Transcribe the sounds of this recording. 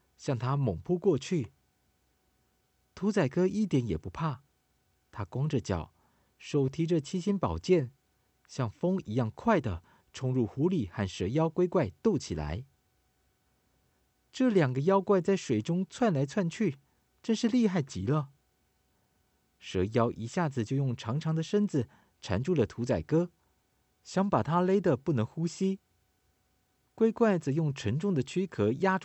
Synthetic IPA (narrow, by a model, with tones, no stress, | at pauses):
ɕjɑ˥˩ŋt̪ʰa˥mʊ˨˩ŋpʰu˥˧kwɔ˥˧t͡ɕʰy˥˩ | t̪ʰu˧˥t͡sa˨˩ɪkɤ˥i˥˩t̪jɛ˧˥njɛ˨˩pu˧˥pʰa˥˩ | t̪ʰa˥kwɑ˥ŋʈ͡ʂə˨t͡ɕjɑ̰˨˩˦ʊ | ʂo˨˩ʊt̪ʰi˧˥ʈ͡ʂə˨t͡ɕʰi˥ɕi˥npɑ˨˩ʊt͡ɕjɛ˥˩n | ɕjɑ˥˩ŋfɤ˥ŋi˧˥jɑ˥˩ŋkʰwa˥˩ɪd̪ə˩ | ʈ͡ʂʰʊ˧˥ŋɻu˥˩xu˧˥li˨˩xa˥˩nʂɤ˧˥jɑ˥ʊkwe˥ɪkwa˥˧ɪt̪o˥˩ʊt͡ɕʰi˨˩la̰˧˥ɪ | ʈ͡ʂɤ˥˩ljɑ˨˩ŋɡə˦jɑ˥ʊkwa˥˧ɪt͡sa˥˩ɪʂwe˨˩ɪʈ͡ʂʊ˥ŋt͡sʰwa˥˩nla˧˥ɪt͡sʰwa˥˧nt͡ɕʰy˥˩ | ʈ͡ʂɤ˥˧ŋʂɻ̩˥˧li˥˧xa˥˩ɪt͡ɕḭ˧˥lə˧ | ʂɤ˧˥jɑ˥ʊʔi˧˥ɕja˥˩d͡zɹ̩˨˩t͡ɕjo˥˧ʊjʊ˥˩ŋʈ͡ʂʰɑ˧˥ŋʈ͡ʂʰɑ˧˥ŋd̪ə˧ʂə˥nd͡zɹ̩˨˩ | ʈ͡ʂʰa̰˧˥nʈ͡ʂu˥˩lə˩t̪ʰu˧˥t͡sa˨˩ɪkɤ˥ | ɕjɑ˧˥ŋpa˨˩t̪ʰa˥le˥ɪd̪ə˨pu˥˩nɤ˧˥ŋxu˥ɕi˥ | kwe˥ɪkwa˥˩ɪt͡sɤ˧˥jʊ˥˩ŋʈ͡ʂʰə˧˥ŋʈ͡ʂʊ˥˩ŋd̪ə˩t͡ɕʰy˥kʰɤ˧˥ja˥ʈ͡ʂ